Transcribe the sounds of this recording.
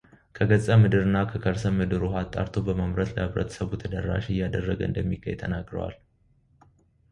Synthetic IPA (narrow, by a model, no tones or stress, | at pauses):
kʰəɡət͡sʼəmɨd̪ɨɾɨnːakʰəkʰəɾsəmːɨd̪ɨɾuɦat̪ʼːa̰ɾt̪ʰobəməmɾət̪ləhɨβɾə̰t̪ʰə̥səβut̪ʰəd̪ərːa̰ʃijad̪ərːəɡəʔɨ̰nd̪əmːiɡə̰jt̪ʰənaɡɾə̰wa̰l